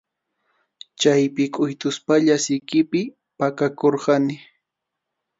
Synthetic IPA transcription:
t͡ʃajpɪkʼʊjt̪ʊspaʎasɪjkɪpɪ | pakakoɾɢɑnɪ

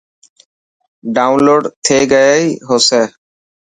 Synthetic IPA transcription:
ɖaːʊnloːɖt̪ʰeːɡəjeːiːɦoːseː

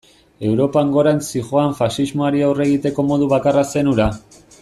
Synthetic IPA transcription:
e̞wɾo̞paŋɡo̞ɾant͡siʝo̞aɱfasizmoaɾiawre̞ɣ̞it̪e̞ko̞mo̞ð̞uβakarase̞nuɾa

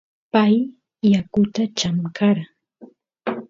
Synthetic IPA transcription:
pajː | akʊt̪at͡ʃamkaɾa

